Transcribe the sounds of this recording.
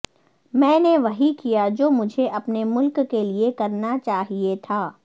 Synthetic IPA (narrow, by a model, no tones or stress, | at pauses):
mɛ̃ːneʋɐɦikijad͡ʒoːmʊd͡ʒʱeʔɐpnemʊlkːeliekɐɾnat͡ʃaːɦiet̪ʰaː